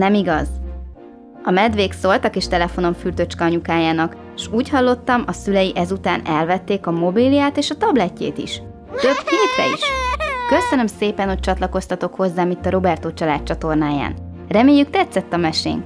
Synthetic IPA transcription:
nɛmiɡɒz | ɒmɛd̪ʋeːkso̞lt̪ɒkeːʃt̪ɛlɛfo̞no̞ɱfyrt̪øt͡ʃkɒɒɲukaːjaːnɒk | ʃuːchɒlːo̞t̪ːɒmɒsylɛjiʔɛzut̪aːnɛlvɛt̪ːeːkɒmo̞bilijaːt̪eːʃɒt̪ɒblɛcːḛːt̪ḭʃ | t̪ø̞bfik̪rɛ̰ḭʃkø̞sønømseːpɛnho̞c̚t͡ʃɒt̪lɒko̞st̪ɒt̪o̞kho̞zːaːmit̪ːɒɾo̞bɛrt̪oːt͡ʃɒlaːt̪̚t͡ʃɒt̪o̞rnaːja̰ːn | rɛmeːjːykt̪ɛt̪sːɛt̪ːɒmɛʃḛːŋk

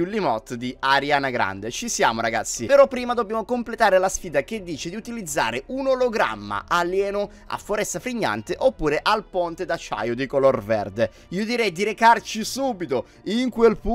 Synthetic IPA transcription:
ulimɔt̪ːd̪iaɾjanaɡɾa̰nd̪et͡ʃisja̰ːmoɾaɡa̰t̪sːipeɾɔpːɾiːmad̪objamokomplet̪aːɾelasfiːd̪aked̪ːiːt͡ʃed̪iut̪ilid̪zːa̰ːɾeunoloɡɾa̰mːa̰ʔaljɛːno | a̰fːoɾɛst̪afɾiɲːa̰nt̪eʔopːuːɾeʔalpont̪ed̪at͡ʃːa̰jod̪ikolorvɛ̰rd̪e | iːod̪iɾɛjd̪iɾekart͡ʃisuːbit̪o | iŋkwelpu

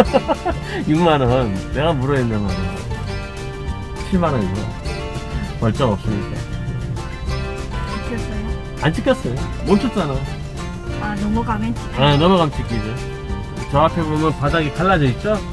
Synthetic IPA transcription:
juŋmanʌnːe̞ɡamuɾʌinːanmaɾɯo | t͡ɕʰiɭmanʌiɡoʌ | pʌɭt͡ɕ͈ʌŋʌp̚s͈ɯmɲik͈a̰ | ak͈ʰes͈ʌjo | ant͡ɕʰik͈ʰʌs͈ʌjo | mʌt͡ɕʰʌt͡ɕ͈anajo | anʌmuɡamet͡ɕʰianʌmuɣamt͡ɕʰik͈ʰid͡ʑe | t͡ɕʌakʰebomjʌnpadaɡikʰaɭːad͡ʑʌit̚t͡ɕ͈o

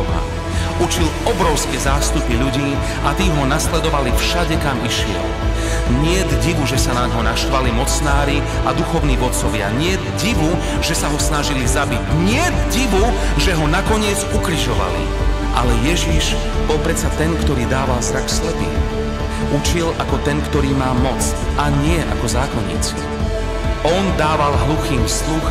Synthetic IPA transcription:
ɦa̰ | ut͡ʃilɔbɾɔʊskɛzaːst̪upiʎuɟiː | ʔat̪iːɦɔnaslɛd̪ɔʋalifʃaɟɛkamiʃɪɛ̰l | ɲɪɛd̪ɟiʋuʒɛsanaɲɦɔnaʃt̪ʋalimɔt͡snaːɾi | ad̪uxɔʊniːʋɔt̪t͡sɔʋɪa̰ɲɪɛd̪ɟiʋu | ʒɛsaɦɔsnaʒilizabiɟɲɪɛd̪ɟiʋu | ʒɛɦɔnakɔɲɪɛd͡zukɾiʒɔʋa̰lḭ | ʔalɛjɛʒiʒ | bɔlpɾɛt͡sat̪ɛnkt̪ɔɾiːd̪aːʋalzɾakslɛp̪ḭː | ut͡ʃilʔakɔt̪ɛnkt̪ɔɾiːmaːmɔt͡s | aɲɪɛʔa̰kɔzaːkɔɲḭt͡s | ɔnd̪aːʋalɦluxiːmslux

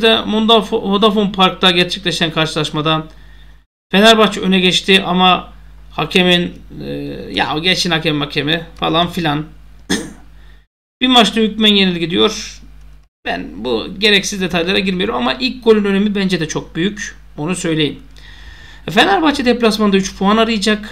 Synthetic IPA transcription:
d̪ɛmod̪afmod̪afonpʰaɾk̚t̪ʰaɟɛɾt͡ʃʰɛclʲeʃænkʰaɾʃɯlˠaʃmad̪a | fe̞næɾbat͡ʃø̞nɛɟɛt͡ʃt̪ʰiʔama | hacʰemin | ja̰ɟɛt͡ʃinhacʰemimhacʰemifalˠanfilʲan | b̥imat͡ʃt̪ˠahycmænjenilʲɟid̪ijo̞ɾ̥ | b̥æ̰nbṵɟe̞ɾɛcsizd̪e̞t̪ʰajlˠaɾaɟiɾmijo̞ɾumamaʔilʲc̚ɡo̞lʲynø̞ne̞mibænd͡ʒed̪ɛt͡ʃʰo̞k̚byjyc | onusø̞jlʲe̞jim | fenæɾbat͡ʃʰɯd̪eplʲasmand̪ayt͡ʃpʰuɦanaɾɯjd͡ʒak

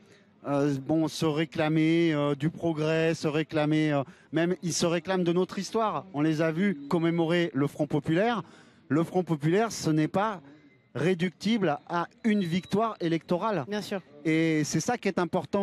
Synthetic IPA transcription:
øbɔ̃səʁeklameød̪ypχɔɡʁɛsəʁeklameømɛmilsəʁeklamd̪ənot̪χist̪waʁɔ̃lezavykɔmemɔʁeləfχɔ̃pɔpylɛʁ | ləfχɔ̃pɔpylɛʁsənɛpa | ʁed̪yk̚t̪iblaynvikt̪waʁelɛk̚t̪ɔʁalbjɛ̃syʁesɛsakʲiɛt̪ɛ̃pɔʁt̪ɑ̃

